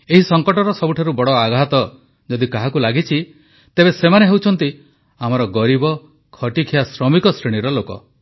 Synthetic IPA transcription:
eɦisɔŋkɔʈɔɾɔsɔbuʈʰaɾubɔɽɔaɡʱat̪ɔ | d͡ʒɔd̪ikaɦakulaɡit͡ʃʰi | t̪ebesemaneɦewt͡ʃʰɔnt̪i | amɔɾɔɡɔɾibɔ | kʰɔʈikʰijasɾɔmikɔsɾiɽ̃iɾɔlokɔ̰

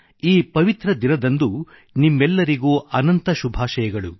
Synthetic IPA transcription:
iːpɐʋit̪ɾɐd̪inɐd̪ɐnd̪u | nimːɛlːɐɾiɡoːʔɐnɐnt̪ɐʃubʱaːʃɐjɐɡɐɭu

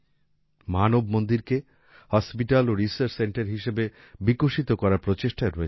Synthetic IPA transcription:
manobmond̪iɾke | hɔspiʈaloɾisaɾt͡ɕseɳʈeɾɦiʃebe | bikoʃit̪okɔɾapɾot͡ɕeʃʈaɾoe

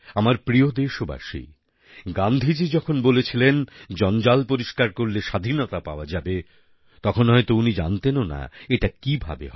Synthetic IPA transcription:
amaɾpɾiod̪eʃoba̰ʃḭ | ɡand̪ʱid͡ʑid͡ʑɔkʰonbolet͡ɕʰilend͡ʑɔnd͡ʑalpoɾiʃkaɾkoɾleʃad̪ʱinot̪apa̰oad͡ʑabe | t̪ɔkʰonɦɔet̪ounid͡ʑa̰nt̪enona̰eʈakibʱa̰bḛɦ

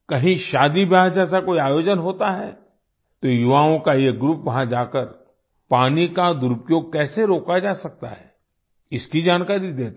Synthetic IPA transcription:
kɐɦĩʃaːd̪ibʱad͡ʒɛːsakoːiaːjoːd͡ʒənɦoːt̪aɦɛː | t̪ojʊʋaːõkajeɡɾupʋɐɦãd͡ʒaːkəɾ | paːnikad̪ʊɾʊpjoːɡ̚kɛːseɾoːkad͡ʒaːsɐk̚t̪a̰ɦɛ | ɪskid͡ʒaːnkaːɾid̪eːt̪

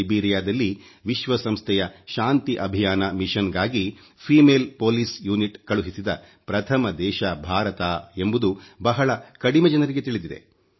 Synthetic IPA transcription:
biːɾijaːd̪ɐlːi | ʋiʃʋɐsɐmst̪ʰɛjɐʃaːnt̪iʔɐbʱijaːnɐmiʃɐnɡaːɡi | pʰiːmeːlpoːlisjuːniʈkɐɭuɦisid̪ɐ | pɾɐt̪ʰɐmɐd̪ɛːʃɐbʱaːɾɐt̪aːe̞mbud̪ubɐɦɐɭɐkɐɽimɛd͡ʒɐnɐɾiɡe̞t̪iɭid̪id̪e̞̰

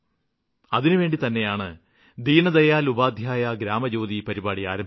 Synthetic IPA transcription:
ɐðinɨʋeːɳɖit̪ɐnːe̞jaːɳɨ | d̪iːnɐd̪ɐjaːlubaːd̪ʱjaːjaɡɾaːmɐd͡ʑoːðipɐɾibaːɽia̰ːɾɐm

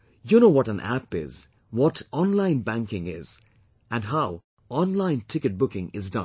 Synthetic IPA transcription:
juñoʊwʌɾə̃nʔæ̰pɪ̰z | wɔtɔ̃nlãɪ̃nbæ̃ŋkɪ̃ŋɪz | ʔɨ̃nɦaʊ | ɔ̃nlãɪ̃ntʰɪkɨt̚b̥ʊkɪ̃ŋɪzdʌ̰̃n

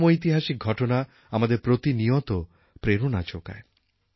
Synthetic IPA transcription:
moit̪iɦaʃik̚ɡʱɔʈona | amad̪eɾpɾot̪iniɔt̪ɔ | pɾeɾonat͡ʃoka̰e

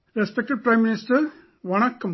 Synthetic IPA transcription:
ɾɛspɛk̚ʈɪɖ̚pɾãɪmːɪnɪsʈɐɾ | ʋɔnɐkːɐm

